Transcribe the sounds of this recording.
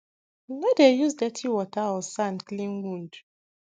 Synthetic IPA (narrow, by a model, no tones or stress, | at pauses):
nɔdejuzdɛtʰiwɔtʰaɔsãnklĩnwũnd